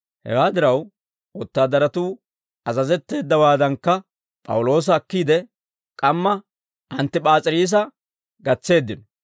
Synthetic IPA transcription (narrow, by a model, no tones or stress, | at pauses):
hɛ̰waːd̪ɪɾɐw | ɔt̪ːaːd̪ɐɾɐt̪uː | ʔɐzɐzɛt̪ːe̞ːd̪ːɐwaːd̪ɐŋkːɐ | pʼɐ̰wʊlo̞ːs̬ɐːkːiːd̪ɛ | kʼɐmːɐ | ʔɐnt̪ːɪpʼaːt͡sʼɪɾiːs̬ɐ | ɡɐt͡sːe̞ːd̪ːɪnɔ